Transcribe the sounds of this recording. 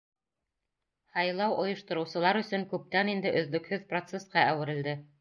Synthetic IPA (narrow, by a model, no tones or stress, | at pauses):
hɑjlˠɑwŏjɤ̆ʃt̪ɤ̆ɾɤ̆wsɤ̆lˠɑɾɵ̆sɵŋkʉp̚t̪ænind̪ɘʔɵ̆ðlɵ̆khɵðprot̪sesqɑʔæwɘ̆ɾɘ̆ld̪ɘ